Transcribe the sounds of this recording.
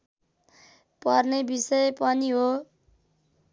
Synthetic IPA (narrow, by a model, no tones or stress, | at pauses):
pʌrnebisʌjepʌniɦo